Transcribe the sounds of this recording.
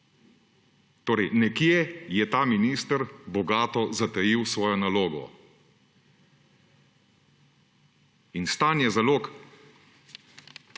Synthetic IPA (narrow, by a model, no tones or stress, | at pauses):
t̪oːɾɛjnɛkjɛjɛt̪aːminist̪əɾbɔɡaːt̪ɔzat̪ɛjiwsʋɔːjɔnaloːɡɔ̰ | inst̪aːnjɛzaloːk